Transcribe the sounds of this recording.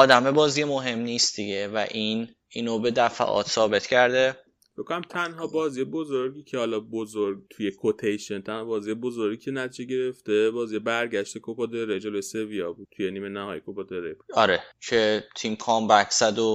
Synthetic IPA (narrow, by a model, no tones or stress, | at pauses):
ɒːd̪æmebɒːziemoɦe̞mniːst̪̚d̪iɡevæ̰ʔin | iːnobed̪æfæ̰ʔɒ̰ːt̪ʰsɒːbe̞t̪cʰæɾd̪e | fekːonæmt̪ʰænɦɒbɒːziːjebozoɾɡʲiːcʰehɒlɒbozoɾɡt̪ʰujekʰot̪ʰejʃent̪ʰænhɒbɒːzijebozoɾɡicʰe̞næt̪ʰid͡ʒeɟe̞ɾeft̪ebɒːzijebæɾɟæʃt̪ekʰopʰod̪eɾed͡ʒoloseviɒːbut̪ʰujeniːmenæhɒ̰ːjekʰopɔd̪eɾebuɒɾecʰet̪ʰimkʰɒːmbækʰsæd̪o